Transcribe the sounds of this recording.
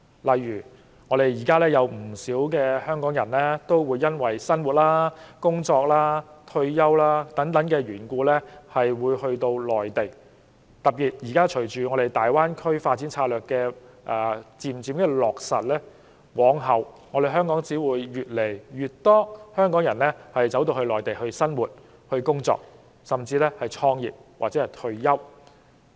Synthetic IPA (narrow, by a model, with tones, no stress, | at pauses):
lɐ˨jːyː˨˩ | ŋɔː˨˧ɾe˨jiː˨˩kaː˥lɛː˥jɐ˨˧wm̩˨˩siː˨˥wk̬ɛː˧hœː˥ŋkɔː˨˥ŋjɐ˨˩nlɛː˥t̪o˥wwuː˨˧jːɐ˥nwɐ˨˩jsɐ˥nwu˨t̚laː˥kʊ˥ŋt͡sɔː˧k̚laː˥t̪ʰɵ˧ɥjɐ˥wlaː˥t̪ɐ˨˥ŋt̪ɐ˨˥ŋkɛː˧ɥyː˨˩nkuː˧lɛː˥hɐ˨jwuː˨˧jhɵ˧ɥt̪o˧wlɔː˨˩jt̪e˨˩j | t̪ɐ˨p̚piː˨t̚jiː˨˩kaː˥t͡ʃʰɵ˨˩ɥt͡ʃyː˨ŋɔ˨˧ɾe˨jt̪aː˨jwaː˥nkʰɵ˥ɥfaː˧t̚t͡siː˨˥nt͡sʰaː˧t̚lœː˨˩kːɛː˧ | ʔɛː˨t͡siː˨˩mt͡siː˨˧mkɛː˧lɔː˨k̚sɐ˨t̚lɛː˥ | wɔː˨˧ŋɦɐ˨w | ŋɔː˨˧ɾe˨jɦœː˥ŋkɔː˨˥ŋt͡siː˨˥wuː˨˧jːyː˨t̚le˨˩jɥyː˨˩t̚t̪ɔː˥hœː˥ŋkɔː˨˥ŋjɐ˨˩nlɛ˥hɐ˨jt͡sɐ˨˥wt̪o˧whɵ˧lɔː˨˩jt̪e˨jhɵ˧ɥsɐ˥nwuː˨t̚ | hɵ˧kʊ˥ŋt͡sɔ̰ː˨k̚ | sɐ˨mt͡siː˧lɛː˥hɐ˨˩jt͡ʃʰɔː˧ŋjḭː˨p̚waː˨˩t͡sɛː˨˥hɐ˨˩jt̪ʰɵ˧ɥjɐ˥w